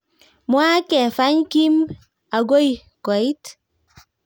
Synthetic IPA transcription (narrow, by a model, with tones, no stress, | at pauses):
mwa˦kɛ˨fa˦ɲki˦m | a˨ɡo˦j | ko˨i˦t